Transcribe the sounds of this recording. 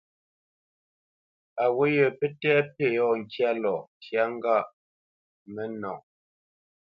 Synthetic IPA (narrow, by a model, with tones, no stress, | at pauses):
a˨wo˦jə˨pe˦tɛ˦pe˦˨jɔ˦˨ŋ̩˨kja˦lɔ˨tja˦ŋ̩˦ɡa˦˨ʔ | mɛ˦nɔ˨ŋ